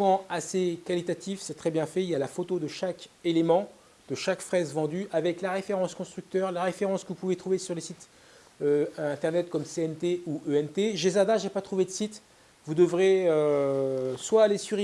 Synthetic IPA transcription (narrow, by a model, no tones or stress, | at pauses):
pɑ̃asekalit̪at̪ifsɛt̪χɛbjɛ̃fɛiljalafot̪od̪əʃakelemɑ̃ | d̪̥əʃakfχɛzvɑ̃d̪yʔavɛklaʁefeʁɑ̃skɔ̃st̪χyk̚t̪œʁlaʁefeʁɑ̃skəvupuvet̪χuvesyʁləsit̪ | øɛ̃t̪ɛʁnɛt̪kɔmseɛnt̪euʔøɛnt̪eʒezaʁd̪aʒepat̪χuved̪əsit̪ | vud̪əvʁeø | swaːlesyʁi